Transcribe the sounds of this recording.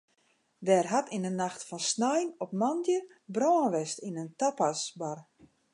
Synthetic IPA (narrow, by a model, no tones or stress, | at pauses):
ʋɛːrɦatinənaxtfɔnsnajnɔp̚mandjə | brɔːənʋɛstinəntapasbar